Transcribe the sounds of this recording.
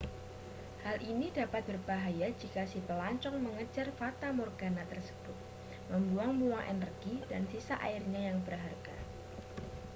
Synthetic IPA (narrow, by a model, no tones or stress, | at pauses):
halʔinidapat̪̚bərbaɦajad͡ʒikasipəlaɲt͡ʃɔŋməŋəd͡ʒarfat̪amɔrɡanat̪ərsə̥b̥ʊt̪̚ | məmbuaŋmuaŋʔḛnərɡ̥idansisaʔa̰ɪrɲajaŋbərɦarɡ̥a